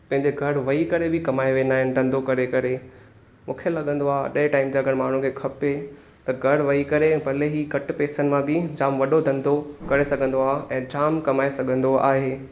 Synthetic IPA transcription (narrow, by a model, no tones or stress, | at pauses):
pɐ̃ɦɪ̃ɲd͡ʑeɡʱɐɽʋɐɦikɐɾebɪkɐmaːeʋeːnaːɦɪ̃nɪ̆d̪ʱɐ̃nd̪okɐɾekɐɾe | mũːkʰelɐɠə̃nd̪oaːɗɐɪʈaːɪmd͡ʑaɐɡʱəɽmaːɳ̤ũkʰeːkʰɐpe | t̪ɐɡʱɐɽʋɐɦikɐɾebʱɐleɦikɐʈpeːsənɪ̆mãbɪd͡ʑaːmʋɐɗod̪ʱɐ̃nd̪ʱokɐɾesɐɡʱə̃nd̪oaːɦʔɛ̃ːd͡ʑaːmkɐmaːesɐɡʱə̃nd̪oa̰ːɦeː